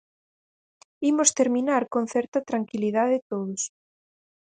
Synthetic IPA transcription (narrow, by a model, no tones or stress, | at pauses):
imost̪eɾmĩnaɾkon̟θɛɾt̪ɐt̪ɾaŋkiliðaðɪt̪oðʊs